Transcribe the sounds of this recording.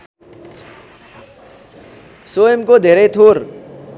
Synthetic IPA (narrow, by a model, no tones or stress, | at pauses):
soemkod̪ʱeːɾet̪ʰoːɾ